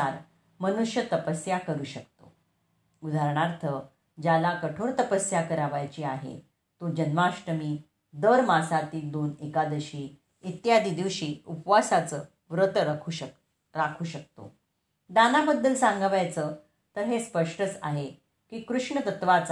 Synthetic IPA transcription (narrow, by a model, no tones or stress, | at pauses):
aɾ | mənuʂjət̪əpəsjakəɾuːɕək̚t̪o̰ | ud̪ʱaɾɳaɾt̪ʰə | d͡ʑalakəʈʰoɾt̪əpəsjakəɾaʋajt͡ɕiːaɦḛ | t̪od͡ʑənmaʂʈəmiː | d̪əɾmasat̪iːd̪onekad̪əɕiː | it̪jad̪iːd̪iʋɕiːupʋasat͡səː | ʋɾət̪ʰu | ɾakʰuːɕək̚t̪o̰ | d̪anabəd̪ːəlsãŋɡaʋajt͡sə | t̪əɾɦespəʂʈət͡sa̰ɦe | kiːkɾuʂɳət̪ət̪ʋat͡s